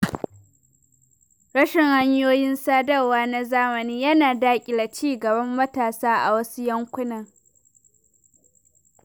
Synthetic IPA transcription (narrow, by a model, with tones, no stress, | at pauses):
ɽɐ˦ʃɪ˨ŋha˦ɲjoː˦jɪ˦nsaː˦dɐ˦rwaː˦na˦zaː˦mɐ˨niː˦jɐ˦naː˨daː˦kʲʼɪ˨la˨t͡ʃiː˦ɡɐ˨bɐ˦mːɐ˦taː˨saː˦ʔa̰˨wɐ˦su˦jɐ˦ŋkʷʊ˦nɐ˨ŋ